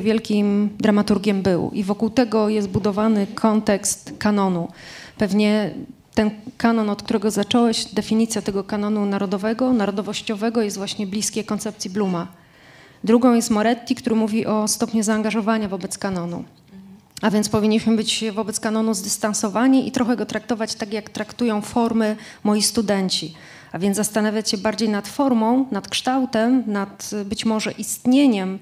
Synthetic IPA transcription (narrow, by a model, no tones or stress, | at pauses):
vʲjɛlkʲimd̪ɾamat̪uɾɡʲjɛmbɘ̰wʔḭvɔkuwt̪ɛɡɔjɛst̪̚bud̪ɔvanɘkʰɔnt̪ɛkst̪kanɔnupɛvɲɛ | t̪ɛnkanɔnɔt̪̚k̚t̪uɾɛɡɔzat͡ʂɔwɛɕd̪ɛfʲiɲit̪sʲjat̪ɛɡɔkanɔnunaɾɔd̪ɔvɛɡɔnaɾɔd̪ɔvɔɕt͡ɕɔvɛɡɔjɛst̪vwaɕɲɛblʲiskʲejkɔnt̪sɛp̚t̪sʲjibluma | d̪ɾuɡɔ̃w̃jɛst̪mɔɾɛt̪ʲːikt̪uɾɘmuvʲiʔɔst̪ɔpɲuzaːŋɡaʐɔvaɲavɔbɛt̪skanɔnṵ | avʲjɛnt̪spɔvʲiɲːiɕmɘbɘt͡ɕvɔbɛt̪skanɔnuzd̪ɘst̪ansɔvaɲiʔḭt̪ɾɔxɛɡɔt̪ɾak̚t̪ɔvat͡ɕt̪akjakt̪ɾakt̪ujɔ̃w̃fɔɾmɘ | mɔjist̪ud̪ɛɲt͡ɕi | avʲjɛnzast̪anavʲjat͡ɕɕɛbaɾd͡ʑejnat̪fɔɾmɔ̃w̃nat̪kʂt̪awt̪ɛmnat̪bɘt͡ɕmɔʐɛʔist̪ɲeɲɛm